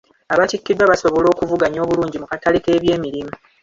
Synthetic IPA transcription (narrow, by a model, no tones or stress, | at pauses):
aβatikːidwaβaso̞βo̞lo̞ːkuvuɡaɲo̞ːβuluːɲɟimukatalike̞ːβje̞ːmiɾimu